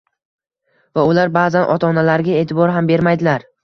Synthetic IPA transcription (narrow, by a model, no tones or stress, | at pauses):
vaʊlaɾbaːzanʔɒ̰t̪ʰɒnalaɾɡʲae̞ːt̪ʰɪbɒɾɦambe̞ɾmajd̪ɪlaɾ